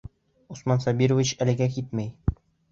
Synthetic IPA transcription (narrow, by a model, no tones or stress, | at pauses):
usmɑnsɑbiɾŏvʲit͡ɕælɘ̆ɡæk̬it̪mæj